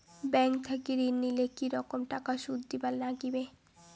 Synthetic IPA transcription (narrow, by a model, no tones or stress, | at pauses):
bɛŋkt̪ʰakiɾinːilekiɾɔkomʈakaʃud̪ʱːibalnaɡibe